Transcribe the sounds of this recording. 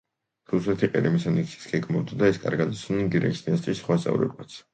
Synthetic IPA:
ɾusɛt̪ʰiqʼḭɾimisanit̪sʰi̥sɡ̥ɛɡmavd̪ad̪aɛskʼa̰ɾɡad̪isʰnɛnɡiɾɛ̰kʰisd̪inast̪ʼisːχwast̪sʼa̰vɾɛ̰bat̪sʰ

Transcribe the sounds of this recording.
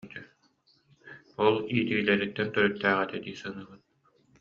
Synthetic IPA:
t̪ɛ | ɔlˠiːt̪iɡilɛɾit̪ːɛnt̪œɾœt̪ːæːʁɛt̪ɛd̪iːsɯnɯːbɯt̪̚

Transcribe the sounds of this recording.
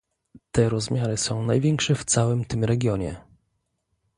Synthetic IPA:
t̪ɛɾɔzmʲjaɾɘsɔ̃w̃najvʲjɛŋkʂɛft̪sawɘmt̪ɘmɾɛɡʲjɔɲɛ̰

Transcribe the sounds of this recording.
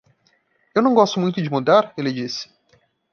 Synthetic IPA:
ewnɐ̃w̃ɡɔst̪ʊmũj̃t̪ʊd͡ʒɪmud̪aɾelɪd͡ʒisɪ̥

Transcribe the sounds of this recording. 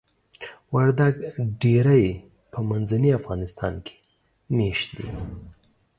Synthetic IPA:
waɾd̪aɡɖeɾaj | pʰəmanzaniafɣɑnɪst̪ɑ̰nkʰe̥ | meʃt̪̚d̪ḭ

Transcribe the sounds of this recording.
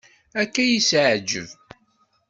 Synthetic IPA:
ækːæjisʕd͡ʒəv

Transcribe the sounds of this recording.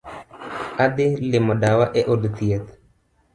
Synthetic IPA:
ad̪ɪlɪmɔdawaʔɛʔodt̪iɛt̪

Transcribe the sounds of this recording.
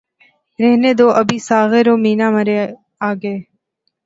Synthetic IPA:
ɾɛɦneːd̪oːʔɐbʱiːsaːɣeɾoːmiːnaːməɾe | aːɡəeː

